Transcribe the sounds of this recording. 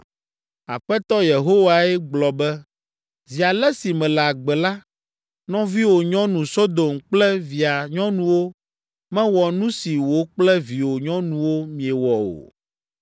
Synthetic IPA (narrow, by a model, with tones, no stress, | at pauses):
a̰˨ɸɛ˦t̪ɔ˦je˨ɦo˦wa˨ɛ˦ɡ͡blɔ˨bɛ˦ | zi˨a˨lɛ˦si˨mɛ̃˨lɛ˨a˨ɡ͡bɛ˨la˦ | nɔ̃˦vi˦wo˨ɲɔ̃˦nũ˨so˦d̪o˨mk͡plɛ˦vi˨a˨ɲɔ̃˦nũ˦wo˦ | mɛ̃˦wɔ˨nũ˦si˨wo˨k͡plɛ˦vi˨wo˨ɲɔ̃˦nũ˨wo˦mĩ˨ɛ˨wɔ˨o̰˨